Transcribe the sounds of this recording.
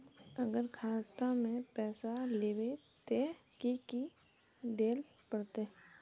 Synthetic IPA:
əɡəɾkʰaːt̪amẽpɛːsaleːbe | t̪ekiki | d̪eːl | pəɽt̪e

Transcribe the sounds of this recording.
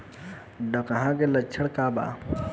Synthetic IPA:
ɖəkaɦãkelət͡ʃʰəɽkaba̰ː

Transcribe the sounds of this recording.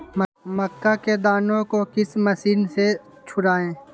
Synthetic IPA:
məməkːaked̪aːnõkokɪsmɐsiːnse | t͡ʃʰʊɽaːẽː

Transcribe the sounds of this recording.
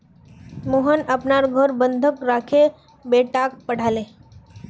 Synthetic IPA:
moɦənɐpnaɾɡʱəɾbə̃nd̪ʱəkɾaːkʰe | beʈak̚pəɽ̤aːle

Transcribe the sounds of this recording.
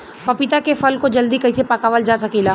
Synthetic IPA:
pɐpɪt̪akefɐlkod͡ʒɐld̪ikɐisepakaːʋəld͡ʒaːsɐkilaː

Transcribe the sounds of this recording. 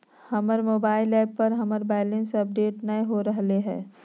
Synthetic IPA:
hɐməɾmoːbaːɪlɛːpːɐɾɦɐməɾbaːɪlẽnsɐp̚ɖeːʈnəĩɦoɾɐɦleɦɛ̰ː

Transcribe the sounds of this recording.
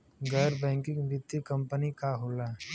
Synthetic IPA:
ɡɛːɾbɛ̃ːŋkɪ̃ŋʋɪt̪ːjikɐ̃mpənikaɦoːla

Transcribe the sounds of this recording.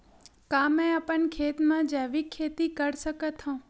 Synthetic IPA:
kaːmɛ̃ɐpən̆kʰeːt̪mãd͡ʑaːʋikʰːeːt̪ikɐɽsəkət̪ʰõː

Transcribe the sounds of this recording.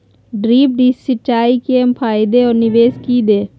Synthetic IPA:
ɖɾiːp̚ɖiːssɪt͡ʃaːikeːmpʰaːɪd̪eɔːɾnɪʋeːskiːd̪eː

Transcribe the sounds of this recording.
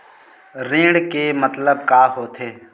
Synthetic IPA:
ɾĩːɖkemət̪ləb̚kaːɦoːt̪ʰeː

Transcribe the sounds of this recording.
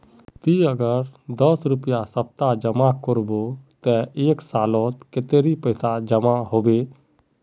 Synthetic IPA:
t̪iəɡəɾd̪əsɾʊpjasəp̚t̪ad͡ʒəmakɔɾbot̪ɛeːksaːlɔt̪ket̪eɾipəɪsad͡ʒəmaɦoːbe

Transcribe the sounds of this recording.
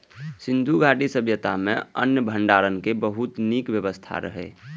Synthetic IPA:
sɪ̃nd̪ʱuɡʱaːʈisəbʱjət̪amḛ̃ənjəbʱəɳɖaːɾənkebəɦut̪nikwjəbəst̪ʰa̰ɾə̰ɦɛ̰

